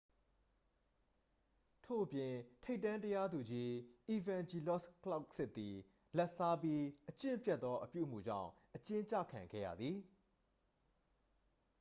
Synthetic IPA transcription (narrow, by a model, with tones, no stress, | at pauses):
tʰo̰˦˨ʔəpjɪ̃˨tʰe˦ɪtːã˦ntəja˦d̪u˨d͡ʑi˦ʔi˨vã˨nd͡ʑi˨lɔ˦˨skla˦ʊk̚sɪ˦ʔt̪ːi˨ | lɛ˦ʔsa˦pji˦ʔət͡ɕɪ̰̃˦˨mpjɛ˦t̪t̪ːɔ˦ʔəpjṵ˦˨m̥ṵ˦˨d͡ʑã̰˦˨ʊ̃ʔət͡ɕɪ̃˦ɲt͡ɕä̰˦˨kʰã˨ŋɡɛ̰˦˨jä̰˨d̪ði˨